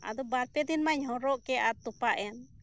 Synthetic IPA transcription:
a̰d̪ɔbaɾpɛd̪inmaɲhɔɾɔʔkɛʔat̪upaʔɛn

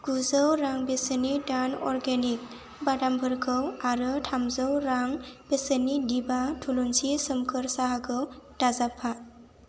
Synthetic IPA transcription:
ɡ̥uzɯwɾaŋbesənidanɔɾɡenik̚ | badambʱɯɾkʰɯwaɾɯtʰamzɯwɾaŋb̥esənidibatʰulunsisɯmkʰɯɾsaɦakʰɯwd̥azapʰːa

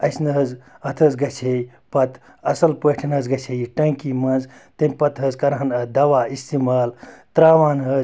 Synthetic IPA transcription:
ɐsnɨɦɐzɐt̪ʰɐzɡɐt͡ʃʰej | pɐt̪ʰ | ɐsɐlpɐʈʰinɦɐzɡɐt͡ʃʰejiʈɐŋkiːmɐnzt̪ɐmʲpɐt̪ʰɦɐzkɐɾɦɐnɐd̪ɐʋaːist̪imaːlt̪ɾaːʋaːnɦɐz

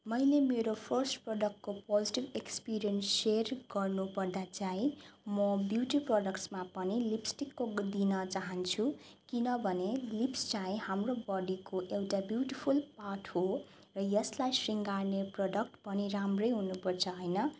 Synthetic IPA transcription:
mʌjlemeɾopʰʌrsʈproɖʌk̚ʈ̚kopod͡ziʈibekspiɾijʌnsːerɡʌrnupʌrd̪at͡saĩmʌbjuʈiproɖʌkʈsmapʌnilipsʈikːod̪inʌt͡saɦʌnt͡sʰu | kinʌbʱʌnelipst͡saĩhamrobʌɖikoʔewʈabjuʈipʰulpaʈɦo | rʌjʌslajsriŋɡarneproɖʌk̚ʈpʌniɾamrʌjɦunupʌrt͡sʰʌɦʌjnʌ

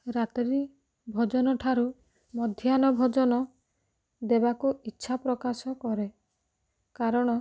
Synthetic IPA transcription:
ɾat̪ɾi | bʱɔd͡ʒɔnɔʈʰaɾu | mɔd̪ʱjanɔbʱɔd͡ʒɔnɔ | d̪ebakuitːʃʰapɾɔkasɔkɔɾe | kaɾɔɽ̃ɔ

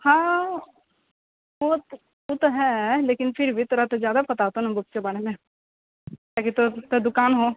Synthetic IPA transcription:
hãː | ʋo | ot̪oɦɛleːkɪnpʰɪɾbʱit̪oːɾat̪ozjaːd̪apɐt̪at̪onabʊkt͡ʃebɐɽ̃emẽ | t̪aːkit̪ot̪od̪ʊkaːnɦoː

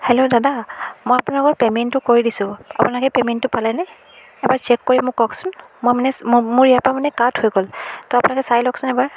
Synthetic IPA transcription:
hɛlodadamojapunalɔkɔɹpɛmɛntʊkoɹidisʊ̃a̰punalkɛpɛmɛntːʊpalajna | ɛbaɹt͡ʃɛkːoɹimʊkɔksʊnmojmanɛmʊɹiapamanɛkathojɡoltɔapunakɛsajlɔksʊnɛbaɹ

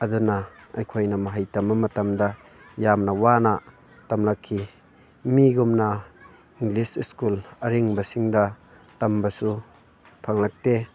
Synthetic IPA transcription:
ɐdunɐːjkʰojnɐmɐɦajtɐmːɐmɐtɐmdɐ | jamnɐwanɐ | tɐmlakʰːi | miɡumna | iŋlisiskulɐɾiŋbɐsiŋdɐ | tɐmbɐsu | pʰaŋlak̚te

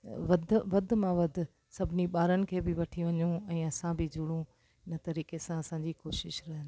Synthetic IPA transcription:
ʋɐd̪ʱʋɐd̪ʱmãʋɐd̪ʱʊ̆ | sɐbʱɪniɓaːɾənɪ̆kʰeːbɪʋɐʈʰiʋɐɲũɛ̃ːɐsãbɪd͡ʑʱʊɽ̃ũ | ɪnə̆t̪ɐɾiːkesãɐsãːd͡ʑikoːʃɪʃɾɐɦɪnɪ

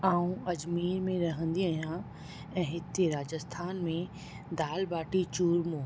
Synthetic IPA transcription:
aːũɐd͡ʒmiːɾmẽɾɐɦə̃nd̪iaːɦjã | ɛ̃ːɦɪt̪eɾaːd͡ʑəst̪ʰaːnmẽ | d̪aːlbaːʈit͡ɕuːɾmõː

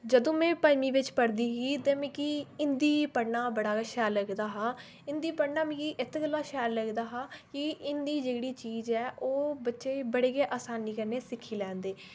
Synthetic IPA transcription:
d͡ʒəd̪õːmɛ̃ːpaːɪmiːʋɪt͡ʃpəɽd̪iːɦiːt̪ɛ̃ːmɛ̃ːkiɪnd̪iːpəɽnaːbəɽaːʃɛːləɡd̪aːɦaː | ɪnd̪iːpəɽnaːmɛ̃ːkiʔɪt̪ʰɡəlːaːʃɛːɾləɡd̪aːɦãːkɪʔɪnd̪iːd͡ʒeːɽiːt͡ʃiːzɛːʔoːbətːʃeːbəɽeːɡeːʔaːsaːniːkəɾneːsɪkʰːiːlɛ̃ːnd̪eː

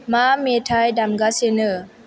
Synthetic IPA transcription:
mametʰajdamɡasenə

